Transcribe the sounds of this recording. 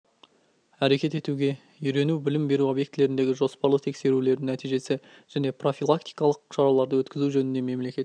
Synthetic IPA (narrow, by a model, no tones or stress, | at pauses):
æɾe̞kʲe̞t̪e̞t̪uɡʲe̞ | ʏjɾe̞nubɪlɪmbe̞ɾuo̞bjekt̪ɪle̞ɾɪnd̪e̞ɡʲɪʒo̞spɑɾlˠəqt̪ʰekse̞ɾule̞ɾd̪ɪŋnæt̪ijʒe̞sɪ | ʒ̥æne̞pro̞filˠak̚t̪ijkɑlˠəq̚ʃɑɾɑlˠɑɾd̪əwɵt̪kʲɪzuʒɵnɪnd̪e̞me̞mle̞kʲe̞t̪